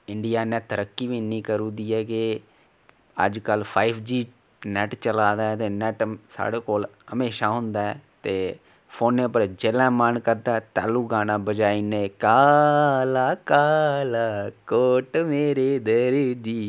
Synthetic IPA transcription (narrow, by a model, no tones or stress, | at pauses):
ɪɳɖɪjaːnɛ̃ːt̪əɾəkːiːʋiːnĩːkəɾũːd̪iːɛːkɪ | ə̰d͡ʒkəlpʰaːiːpʰd͡ʒiː | nɛːʈt͡ʃəlaːd̪aːɛt̪eːnɛːʈsa̰ːɽeːkoːlhəmeːʃaːɦʊnd̪aːɛːt̪eː | pʰoːneːpəɾd͡ʒelɛ̃ːmənkəɾd̪aːɛt̪ɛ̰ːlũːɡaːnãːbəd͡ʒaːiːneːkaːlaːkaːlaːkoʈmeːɾeːd̪əɾd͡ʒiː